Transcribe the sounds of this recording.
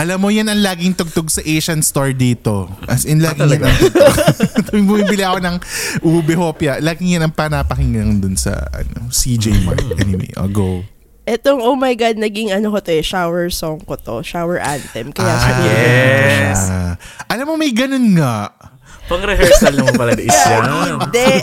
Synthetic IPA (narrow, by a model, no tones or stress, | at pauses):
ʔɐlɐmːojɐnɐŋlaːɡɪŋt̪ʊɡ̚t̪oɡsɐʔejʃɐnst̪oɹd̪iːt̪o̞ʔɐsjɐnlaːɡɪŋjanɐŋot̪ʊbʊmibɪliʔɐkonɐŋʔuːbɛhoːpjɐʔlaːɡɪŋjɐnɐŋpɐnapɐhɪŋɡɐŋd̪ʊnsɐ̰ɐ̰no̰sid͡ʒejma̰ɹkʔɛ̰nɪwḛjʔo̰ɡow | ʔɛt̪oŋʔowmɐjɡad̪̚nɐɡɪŋɐnokot̪oɛʃawɛɹsoŋkot̪o̰ʃawɛɹʔa̰nt̪ɛmkɐjaɛʃa | ʔɐlamːomɐjɡɐnonŋaʔ | pɐŋɾɛɦɹsɐlːɐpɐlɐɪsad̪ɛ